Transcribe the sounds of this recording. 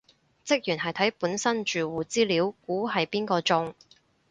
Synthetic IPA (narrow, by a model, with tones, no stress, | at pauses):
t͡sɪ˥k̚jyː˨˩nhɐ˨jt̪ʰɐ˨˥jpuː˨˥nsɐ˥nt͡ʃyː˨wuː˨t͡siː˥liː˨˥wkuː˨˥ɦɐ˨jpiː˥nkɔː˧t͡sʊ˥˧ŋ